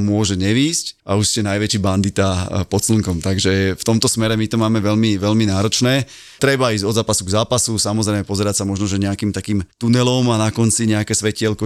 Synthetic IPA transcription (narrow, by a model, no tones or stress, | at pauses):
mʊɔʒɛɲɛʋiːscʔauʃscɛnajʋɛt͡ʃiband̪it̪apɔt̪sləŋkɔmt̪aɡʒɛft̪ɔmt̪ɔsmɛɾɛmit̪ɔmaːmɛʋɛlmiʋɛʎminaːɾɔt͡ʃnɛː | t̪ɾɛbaiːzɟɔd̪zaːpasuɡzaːpasusamɔzɾɛɪmɛpɔzɛɾacsamɔʒnɔʒɛɲɛakiːmt̪akiːmt̪unɛlɔmanakɔnt͡siɲɛakɛːsʋɛcɪɛlkɔ